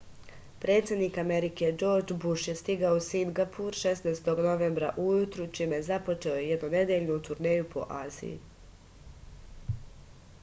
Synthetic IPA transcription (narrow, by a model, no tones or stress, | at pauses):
pɾe̞ːt̪sʲed̪niːkameɾike̞d͡ʒo̞ɾd͡ʒbuʃje̞st̪iɡaousiŋɡapʰuɾʃe̞snast̪o̞ɡno̞ʋeːmbɾa̰ʔujut̪ɾut͡ʃimejezapo̞t͡ʃe̞ojejed̪none̞d̪eʎʲnut̪uɾneːjupʰo̞̰ʔaːzḭjḭ